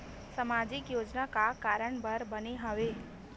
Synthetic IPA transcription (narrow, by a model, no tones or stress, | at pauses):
səmad͡ʒɪkjoːd͡ʒnakakaɾəɳbəɾbəneɦəʋe